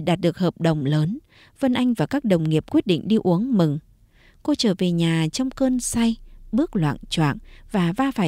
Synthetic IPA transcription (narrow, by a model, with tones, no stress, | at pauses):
ɗaː˨˩t̚ɗɨ˨˩ək̚həː˨˩p̚ɗə˨˩wŋ͡mləː˨˦n | və˧nʔa˧jŋ̟vaː˨˩kaː˦˥k̚ɗə˨˩wŋ͡mŋi˨˩əp̚kwi˦˥ət̚ɗḭ˧˨ŋ̟ɗi˧ʔu˨˦əŋmɨ˨˩ŋ | ko˧t͡ɕəː˧˩ve˨˩ɲaː˨˩t͡ɕɔ˧wŋ͡mkəː˧nsa˧jɓɨ˦˥ək̚lwa̰ː˧˨nt͡ɕwa̰ː˧˨nvaː˨˩vaː˧faː˧˩